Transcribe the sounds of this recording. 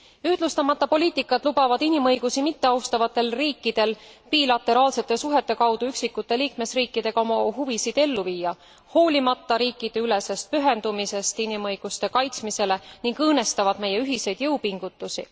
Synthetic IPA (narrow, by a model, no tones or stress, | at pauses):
yhd̪lust̪ɑmɑt̪ːɑpo̞lʲiːt̪ːˑikːˑɑd̪̥lubɑvɑd̪̥inimɤ̞jɡ̥usimit̪ːe̞ɑwst̪ɑvɑt̪ːˑe̞lriːkːˑid̪̥e̞lpiːlɑt̪ːˑe̞ɾɑːlse̞t̪ːˑe̞suɦe̞t̪ːˑe̞kɑwd̪̥uyksikːˑut̪ːˑe̞liːkme̞sriːkˑːid̪̥e̞ɡ̥ɑo̞mɑɦuvisid̪̥e̞lːuviːjɑ | ho̞ːlʲimɑt̪ːɑɾiːkːˑid̪̥e̞yle̞se̞st̪̚pyɦe̞nd̪̥umise̞st̪inimɤjɡ̥ust̪e̞kɑjt̪smise̞le̞niŋɡɤːne̞st̪ɑvɑd̪̥me̞jːe̞yɦise̞jd̪̥jɤwpiŋɡ̥ut̪ːˑusi